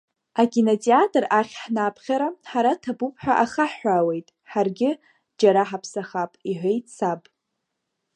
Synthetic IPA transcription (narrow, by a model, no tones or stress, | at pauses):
aɡʲinat͡sʼiatʰʼɨraχʲħnaːpʰχʲaɾaħaɾatʰabupʰʼħʷᶣaʔaχaħːʷawe̞jtʼħarɡʲɪ | d͡ʒaɾaħapʰsaχapʼiħʷejt͡sʰapʼ